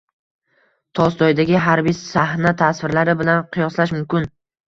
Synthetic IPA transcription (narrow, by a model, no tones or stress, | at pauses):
t̪ʰɒst̪ɒjd̪aɡʲɪɦaɾbijsahnat̪ʰasvɪɾlaɾɪbɪlanqʰɨjɒslaʃmʊmkʲɪn